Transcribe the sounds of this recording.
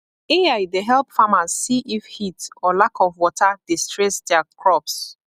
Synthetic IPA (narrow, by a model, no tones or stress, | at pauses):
eajdeɦɛlˠpfamaz̥ːiʔifhitɔlakʰɔvwɔtʰadistɹɛsdɛakʰɹɔps